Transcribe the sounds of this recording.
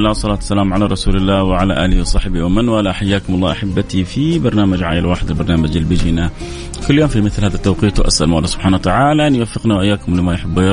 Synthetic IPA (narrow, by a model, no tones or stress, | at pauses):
lːaːwsˤɑlaːt̪sːalaːmʕalaɾˤɑsuːlɪlːaːwɪʕalaʔaːlɪhwɑsˤɑħbiwamanwaːlaħajːaːkʊmɑlˤːɑːʔaħabːat̪ifibɑɾˤnaːmad͡ʒʕa̰ːjalwaːħɪd̪albɑɾˤnaːmad͡ʒalbɪd͡ʒina | kʊlːjoːmfimɪθlhaːðat̪ːawqiːt̪wʔa̰sʔa̰lmaʔlːaːsʊb̥ħaːnawat̪aʕaːlaʔanjwafːɪqnawʔɪjːaːkʊmlɪmajʊħɪbːjɑ